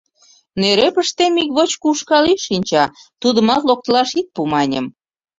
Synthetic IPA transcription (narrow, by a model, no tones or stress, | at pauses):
neɾepəʃt̪emikβot͡ɕkuʃkɑliʃinʲt͡ɕɑt̪ud̪əmɑt̪lok̚t̪əlɑʃit̪̚pumɑnʲə̰m